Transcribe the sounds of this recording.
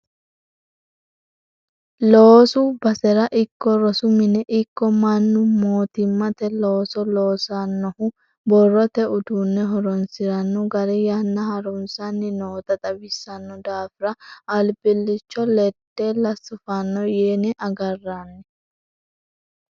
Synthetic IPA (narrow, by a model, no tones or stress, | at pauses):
loːsʊbɐsɛɾɐʔɪkːɔɾɔsʊmɪnɛʔɪkːɔmɐnːʊmoːt̪ɪmːɐt̪ɛloːsɔloːsɐnːɔhʊ | bɔrːɔt̪ɛʔʊd̪uːnːɛɦɔɾɔnsɪɾɐnːɔɡɐɾɛjanːɐhɐɾʊnsɐnːɪnoːt̪ɐt̪ʼɐbɪsːɐnːɔd̪aːfɪɾɐɐlbɪlːɪt͡ʃːɔlɛt̪ːeːlɐsːʊfanːɔjeːnɛʔɐɡɐrːanːɛ